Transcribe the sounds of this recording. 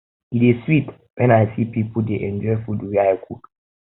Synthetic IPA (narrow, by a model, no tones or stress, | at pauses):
itiswit | wɛ̃naɪsipʰipʰʊdeʔɛ̃nd͡ʒɔfuduwiaɪkʰṵ